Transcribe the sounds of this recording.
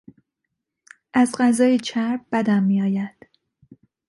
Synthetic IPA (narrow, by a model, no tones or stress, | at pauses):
ʔæzɢæzɒːjet͡ʃʰæɾb̚bæd̪æmːiːɒːjænd̪̥